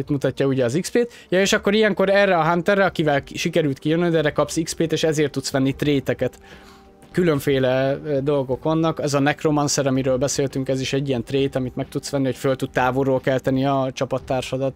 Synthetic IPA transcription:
it̪mut̪ɒcːɒuɟɛːzikspeːt̪ | jɒeːʃɒkːo̞ɾijɛŋko̞ɾɛːrːɛɒɦant̪ɛrːɛɒkivɛlʃikɛɾylt̪kijønːønd̪ɛrɛkɒpsikspeːt̪eːʃɛzeːrt̪ːut̪sʋɛnːit̪reːt̪ɛkɛt̪ | kylø̞ɱfeːlɛd̪o̞lɡo̞kɒnːɒkɛzɒnɛkromɒnsɛɾɒmiɾøːlbɛseːlt̪yŋkɛziʃɛɟːijɛnt̪reːt̪ɒmit̪mɛk̚t̪ut̪sʋɛnːiho̞cfølt̪ut̪̚t̪aːvorːoːlkɛlt̪ɛniɒt͡ʃɒpɒt̪ːaːrʃɒd̪ɒt̪

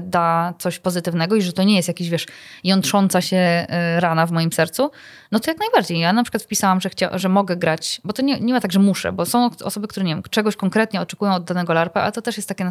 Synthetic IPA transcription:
d̪at̪sɔɕpɔzɘt̪ɘvnɛɡɔiʐɛt̪ɔɲɛjɛst̪jakʲeɕvʲɛʂjɔnt̪ʂɔnt̪saɕɛɾanavmɔjimsɛɾt̪su | nɔt̪ɔjaknajbaɾd͡ʑejjanapʂɨkwat̪fpʲisawamʐɛxt͡ɕaʐɛmɔɡɛɡɾat͡ɕbɔt̪ɔɲɛɲɛmat̪aɡʐɛmuʂɛ̰bɔsɔ̃w̃ɔ̰sɔbɘkt̪uɾɛɲevjɛmt͡ʂɛɡɔɕkɔŋkɾɛt̪ɲɛɔt͡ʂɛkujɔ̃w̃ɔd̪ːanɛɡɔlaɾpaʔa̰lɛt̪ɔt̪ɛʂjɛst̪ːakʲɛn

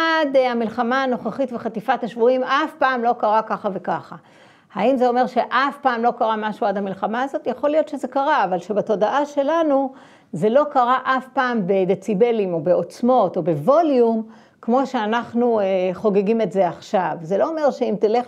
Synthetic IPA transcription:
adamilχamaːno̞χeχitveχatifataʃvuimafpaːmlo̞kaʁakaχave̞kaχa | haimzeo̞me̞ʁʃe̞ʔafpaːmlo̞kaʁamaʃuadhamilχamaːzo̞tjaχo̞lijo̞t̪ʃeze̞kaʁaːvalʃebato̞daʔaʃe̞lanu | ze̞lo̞kaʁaʔafpaːmbedet͡sibe̞limo̞be̞o̞t͡smo̞to̞be̞vo̞ljum | kmo̞ʃe̞anaχnueχo̞ɡeɡime̞tze̞aχʃavze̞lo̞ome̞ʁʃeimt̪ile̞χ

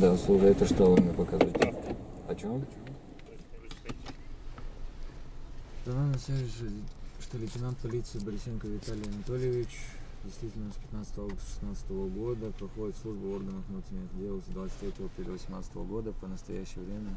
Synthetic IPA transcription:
d̪aslˠuʐəɛt̪əʂt̪ovamʲepəkɐzatʲɐt͡ɕom | zɐnamnəsʲe | ʂt̪olʲɪtʲɪnant̪̚pɐlʲit̪sɨːbəɾʲɪsʲenkəvʲɪt̪alʲɪjɐnɐt̪o̞lʲɪjɪvʲɪt͡ɕdʲɪst̪vʲitʲɪlʲnəspʲɪt̪nat̪sə̥t̪əvəsʂɨ̥snat̪sə̥t̪əvəɡo̞d̪əpɾɐxo̞dʲɪt̪slˠuʐbəorɡənɨfnut̪ɾʲɪnʲɪxdʲelˠsʲd̪vat̪sɨ̥t̪ʲɾʲetʲɪvəɐpɾʲelʲɪvəsʲɪmnat̪sə̥t̪əvəɡo̞d̪əpənəst̪ɐjæɕːɪjəvɾʲemʲə

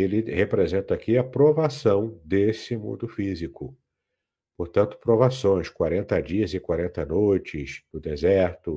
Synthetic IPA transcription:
elɪhepɾezẽnt̪ɐakiɐpɾovasɐ̃w̃d̪esɪmṵ̃nd̪ʊfizikʊ | poɾt̪ɐ̃nt̪ʊ̥pɾovasõj̃skwaɾẽnt̪ɐd͡ʒiɐzɪkwaɾẽnt̪ɐnojt͡ʃɪznʊd̪ezɛɾt̪ʊ

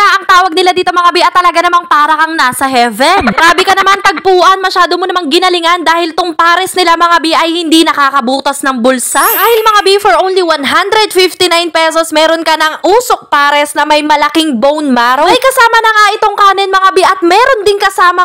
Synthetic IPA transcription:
aʔɐŋt̪aːwɐɡ̚nɪlad̪iːt̪o̞mɐŋɐbiʔɐt̪ːɐlɐɡanɐmanŋpaːɾɐkɐŋnaːsɐɦɛvɛnɾaːbɪkɐnɐmant̪ɐɡ̚puːʔɐnmɐʃaːd̪omonɐmaŋɡɪnɐlɪŋand̪aːhɪlt̪oŋpaːɾɛsnɪlamɐŋabiʔɐjhɪnd̪inɐkaːkɐbuːt̪ɐsnɐŋbʊlsadaːhɪlmɐŋɐbifoɹʔõwnliwanɦand̪ɾɛd̪fɪft̪inajnpɛsosmɛːɾonkɐnɐŋʔuːsok̚paːɾɛsnɐmɐjmɐlɐkiŋbownmaɾoɐjkɐsaːmɐnɐŋaʔɪt̪o̞ŋkaːnɛnmɐŋabiʔɐt̪̚mɛːɾo̞nd̪ɪnkɐsaːmɐ

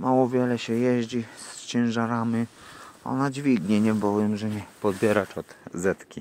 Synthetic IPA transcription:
mawɔvʲjɛlɛɕɛjɛʑd͡ʑist͡ɕɛ̃w̃ʐaɾamʲiɔ̰nad͡ʑvʲiɡɲɛɲɛbɔvɛmʐɛɲɛpɔd̪bʲjɛɾat͡ʂɔd̪̥zɛt̪kʲi

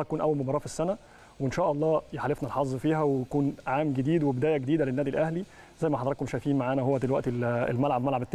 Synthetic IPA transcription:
kuːnʔæwːælmobɑɾˤɑːfisːænæ | weenʃæːʔɑlˤːɑːjeħalefnælħɑzˤːfiːɦæwejkuːnʕaːmɡed̪iːd̪webed̪æːjæɡed̪iːd̪ælenːæːd̪ilʔæhli | zæjːmæħɑd̪ˤɾɑkːomʃæjfiːnmaʕaːnæhowːæd̪elwæʔt̪eḛlmælʕabmælʕabet̪ː

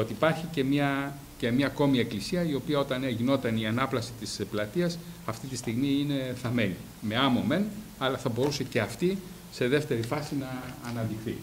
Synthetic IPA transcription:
ot̪iːpɐɾçice̞mɲɐ | ce̞mɲɐko̞mie̞klisiɐio̞piɐo̞t̪ɐneʝino̞t̪ɐniɐnɐplɐsi̥t̪isplɐt̪iɐsɐft̪it̪ist̪iɣmiine̞θɐme̞li | me̞ɐmo̞me̞n | ɐlɐθɐbo̞ɾuse̞ce̞ɐft̪i | se̞ðe̞ft̪e̞ɾifɐsinɐːnɐnd̪ixθḭ

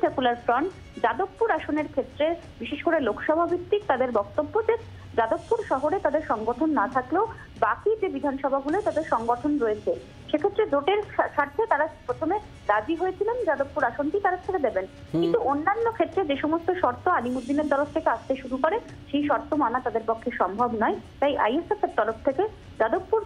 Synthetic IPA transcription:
sekulaɾfɾɔɳʈ | d͡ʑad̪okːuɾaʃoneɾkʰet̪ːɾe | biʃeʃkoɾelokʰʃɔbʱabʱit̪ːɾik̚t̪ad̪eɾbɔk̚t̪obːod͡ʑe | d͡ʑad̪okːuɾʃɔɦoɾet̪ad̪eɾʃɔŋɡoʈʰonːat̪ʰakleo | bakid͡ʑebid̪ʱanʃɔbʱaɡulet̪ad̪eɾʃɔŋɡoʈʰonɾoet͡ɕʰe | ʃekʰet̪ːɾed͡ʑoʈeɾʃaɾt̪ʰːet̪aɾapɾot̪ʰome | d̪ad͡ʑiɦoet͡ɕʰilend͡ʑad̪oppuɾaʃonʈit̪aɾeɾt̪ʰeked̪eben | kint̪uonːanːokʰet̪ːɾed͡ʑeʃɔmost̪oʃɔɾt̪oalimud̪ːineɾt̪ɔɾoft̪ʰekeaʃt̪eʃuɾukoɾe | ʃejʃɔɾt̪omanat̪ad̪eɾpɔkʰːeʃɔmbʱɔbnɔet̪ajʔa̰jesefeɾt̪ɔɾoft̪ʰeke | d͡ʑad̪obːuɾ

